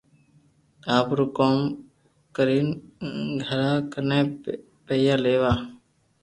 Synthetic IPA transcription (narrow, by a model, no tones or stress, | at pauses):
aːpɾʊkoːm | kəɾiːnɡʱəɾaːkəneː | pejaːleːʋaː